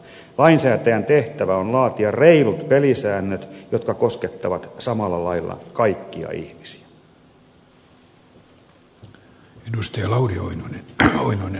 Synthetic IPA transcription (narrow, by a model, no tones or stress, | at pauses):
lɑinsæːt̪æjænt̪eht̪æʋæonlɑːt̪iɑreilut̪pelisæːnːøt̪jot̪kɑkosket̪ːɑʋɑt̪sɑmɑlːɑlɑilːɑ̰kɑikːiɑ̰ḭhmisi̥æ̥ | enust̪ejɑlɑurioinoneoinoine